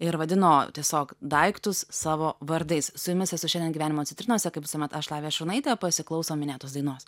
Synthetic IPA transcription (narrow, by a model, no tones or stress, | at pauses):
ɪɾʋɐd̪ʲɪnoːt̪ʲiɛsʲoːkd̪ɐɪkt̪ʊsːɑːʋoːʋɐɾd̪ɐɪssʊjʊmʲɪsɛsʊʃʲɛnd̪ʲɛnɡʲiʋʲæːnʲɪmoːt͡ssʲɪnt̪ɾʲɪnɔsʲɛkɐɪpʋʲɪsomʲɛt̪ɐʃlˠɑːʋʲeːʃʊɾnɐɪt̪ʲeːpɐsʲɪklˠɒʊsoːmʲɪnʲeːt̪oːsd̪ɐɪnoːs